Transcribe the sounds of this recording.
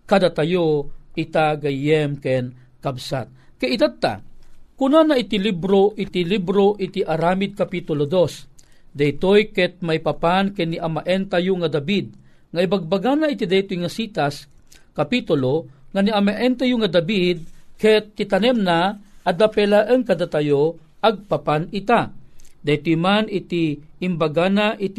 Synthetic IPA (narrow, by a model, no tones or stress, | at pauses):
kad̪at̪ajoit̪aɡajɛmkɛn | kabsa̰t̪̚kɛit̪at̪a̰kunanait̪ilibɾoʔit̪ilibɾoʔit̪iʔaɾaːmid̪̚kapit̪ʊlod̪os | d̪ajt̪ojkɛt̪̚majpapankɛniʔamaʔɛnt̪ajuŋad̪abid̪̚ | ŋaibaɡ̚baɡanait̪id̪ajt̪ojŋasit̪as | kapit̪ʊloŋaniamaʔɛnt̪ajuŋad̪abid̪̚kɛt̪ːit̪anɛmnaːd̪apɛlaʔəŋkad̪at̪ajoʔaɡ̚papanit̪ad̪ajt̪ojmanit̪iːmbaɡanaʔit̪